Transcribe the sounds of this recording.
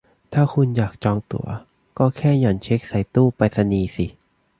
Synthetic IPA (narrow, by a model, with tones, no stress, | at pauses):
t̪ʰaː˥˩kʰu˧njaː˨˩k̚t͡ɕɔː˧ŋt̪ṵ˨˩˦ɐ | kɔː˥˩kʰɛː˥˩jɔ˨˩˦nt͡ɕʰe˦˥k̚sa˨˩˦jt̪uː˥˩pa˧jsa˧niː˧si˨˩˦